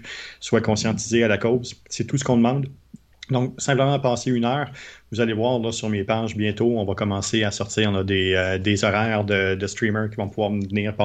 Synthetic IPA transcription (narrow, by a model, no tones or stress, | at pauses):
swakɔ̃sjɑ̃t̪izealakɔzsɛt̪usə̥kɔ̃d̪əmɑ̃d̪ | d̪ɔ̃ksɛ̃pləmɑ̃pɑːseynœːʁvuzalevwaːʁlʌsyʁmepaːʒbjɛ̃t̪oɔ̃vʌkɔmɑ̃seasɔʁt̪iːʁɔ̃nʌd̪eød̪ezɔʁɛːʁd̪əd̪əst̪ʁimə˞kʲivɔ̃puvwaːʁməvniːʁpa